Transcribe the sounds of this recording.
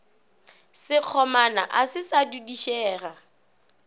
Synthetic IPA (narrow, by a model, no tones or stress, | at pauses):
sɪq͡χʰɔmana̰ʔasɪsadudiʃɛːra